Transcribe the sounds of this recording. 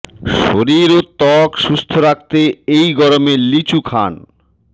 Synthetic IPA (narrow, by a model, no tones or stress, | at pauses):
ʃoɾiɾot̪ɔkʃust̪ʰoɾak̚t̪eejɡɔɾomelit͡ɕukʰa̰n